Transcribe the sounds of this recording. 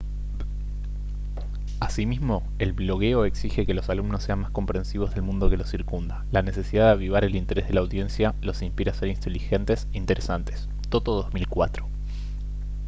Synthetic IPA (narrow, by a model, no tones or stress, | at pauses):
asimizmo̞ | e̞lβlo̞ɣe̞o̞e̞ksixe̞ke̞lo̞salumnosːe̞anmasko̞mpɾe̞nsiβo̞zðe̞lmũnd̪o̞ke̞lo̞siɾkund̪alane̞se̞siðaðeaβiβ̞aɾe̞lint̪e̞ɾezð̞e̞lawðje̞nsjalo̞simspiɾase̞ɾint̪elixe̞nt̪e̞seint̪e̞ɾʔesant̪es | t̪ot̪oðozmilkwat̪ɾo